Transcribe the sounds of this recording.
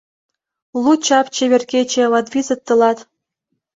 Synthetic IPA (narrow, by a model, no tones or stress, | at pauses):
lˠut͡ɕɑpt͡ɕeβʲerkʲet͡ɕĕlɑd̪βizə̆t̪ːə̆lɑt̪